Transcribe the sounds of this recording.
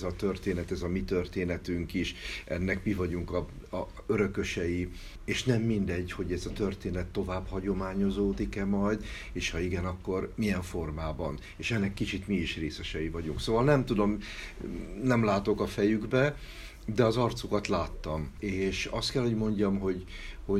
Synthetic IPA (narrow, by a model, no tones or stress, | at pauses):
zɒt̪ø̞rt̪eːnɛt̪ɛzɒmit̪ørt̪eːnɛt̪yŋkiʃɛ̰nːɛkmivɒɟuŋkɒ | øɾø̞kø̞ʃɛji | eːʃnɛmːind̪ɛɟho̞ɟɛzɒt̪ørt̪eːnɛt̪ːo̞vaːbhɒɟo̞maːɲo̞zoːd̪ikɛmɒjd̪ | eːʃhɒiɡɛnɒkːo̞rmijɛɱfo̞rmaːbɒn | eːʃɛnːɛkːit͡ʃit̪miiʃreːsɛʃɛjivɒɟuŋksoːvɒlnɛmt̪ud̪o̞m | nɛmlaːt̪o̞kɒfɛjyɡbɛ | d̪ɛɒzɒrt̪sukɒt̪laːt̪ːɒmeːʃɒst̪kɛlho̞ɟmo̞ɲɟɒmɦo̞ɟho̞